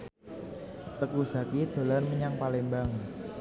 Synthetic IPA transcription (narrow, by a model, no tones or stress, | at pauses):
t̪əkusa̤kid̪̥o̤larməɲaŋpalembaŋ